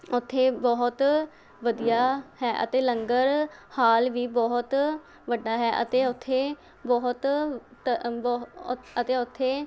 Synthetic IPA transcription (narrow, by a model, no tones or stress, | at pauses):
ʊt̪ʰːeːbɔːɦʊt̪ | ʋəd̪ijaːhɛːʔə̰t̪eːləŋɡəɾhaːlʋiːbɔːɦt̪ | ʋəɖaːɦɛːʔə̰t̪eːʊt̪ʰːeː | bɔːɦʊt̪ | bət̪eːʊt̪ʰːeː